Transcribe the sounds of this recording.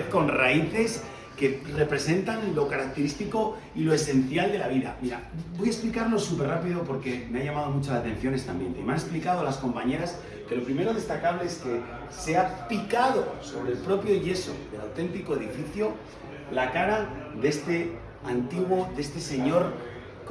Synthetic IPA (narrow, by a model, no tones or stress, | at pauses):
ko̞nra̰iθe̞s | ke̞re̞pɾe̞se̞nt̪anlo̞kaɾak̚t̪e̞ɾist̪iko̞ | ilo̞e̞sẽ̞n̟θjald̪e̞laβ̞iða̰miɾa̰bo̞jaesplikaɾlo̞supe̞rapiðo̞po̞ɾke̞me̞ajamað̞o̞mut͡ʃalaːt̪e̞n̟θjo̞ne̞st̪amjent̪e̞imane̞splikaðo̞alasko̞mpaɲe̞ɾas | ke̞lo̞pɾime̞ɾo̞ðe̞st̪akaβ̞le̞eske̞ | se̞apikaðo̞so̞β̞ɾe̞lpɾo̞pjo̞ʝe̞so̞̰ðe̞lawt̪e̞nt̪iko̞eðifiθjo | lakaɾaðe̞st̪e | ant̪iɣwo̞ðe̞st̪e̞se̞ɲo̞ɾ